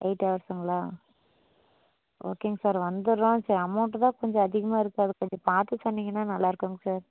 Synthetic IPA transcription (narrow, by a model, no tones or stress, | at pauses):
eɪʈːʋɐɾɐsɐŋɡɐɭaː | ʔo̰ːkeːŋɡɐsaːɾʋɐnd̪ɯɾõːsaːɾɐmɐʊʈːt̪ãːkɔɲd͡ʒɔ̃ɐðɪɣɐmaːɪɾɯkːɯɐðɯkɔɲd͡ʒɔ̃paːɾt̪ɯsɔnːiːŋɡɐnːaːnɐlːaːɪɾɯkːuːŋɡɐsaːɾ